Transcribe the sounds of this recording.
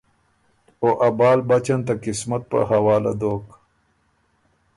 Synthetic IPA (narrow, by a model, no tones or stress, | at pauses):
oʔɐbaːlbɐt͡ɕɐnt̪akɪsmɐt̪̚pə̰hɐwaːla̰d̪oːk